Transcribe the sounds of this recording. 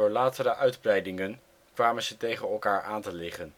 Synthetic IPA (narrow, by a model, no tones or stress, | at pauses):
ʊːɹlaːtəɾəʔœɥdbrɛjdɪŋən | kʋaːmənzətejχənɛlˠkaːɹʔaːntəlɪχən